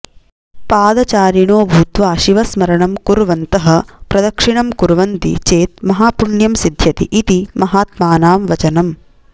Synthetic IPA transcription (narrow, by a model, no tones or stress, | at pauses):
paːd̪ɐt͡ʃaːɾiɳoːbʱut̪ʋaːʃiʋɐsmɐɾɐɳɐmkuɾʋɐnt̪ɐɦɐ̆pɾɐd̪ɐkʂiɳɐmkuɾʋɐnt̪ḭt͡ʃeːt̪̚mɐɦaːpuɳjɐmsid̪ʱjɐt̪iʔit̪imɐɦaːt̪maːnaːmʋɐt͡ʃɐnɐm